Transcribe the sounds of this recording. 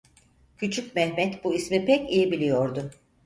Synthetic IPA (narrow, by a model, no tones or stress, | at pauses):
cʰyt͡ʃʰycmɛhmɛt̪buismipɛcijibilʲijo̞ɾd̪ʊ